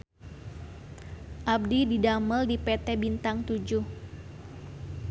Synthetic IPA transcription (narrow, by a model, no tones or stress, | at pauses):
ʔab̚dididaməldipɛt̪ɛbint̪aŋt̪ud͡ʒuh